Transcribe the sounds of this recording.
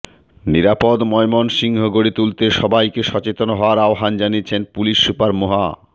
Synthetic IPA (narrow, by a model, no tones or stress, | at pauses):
niɾapod̪mɔemonʃiŋɦoɡoɽit̪ult̪eʃɔbajkeʃɔt͡ɕet̪onoɦɔaɾaoɦand͡ʑaniet͡ɕʰenpuliʃːupaɾmoɦa